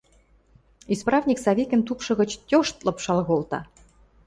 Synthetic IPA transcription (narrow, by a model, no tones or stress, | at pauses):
isprɑvnʲiksɑβʲikʲɘ̆nt̪upʃɤ̆ɣɤ̆t͡ɕt̪ʲoʃt̪lɤ̆pʃɑlɣolt̪ɑ̰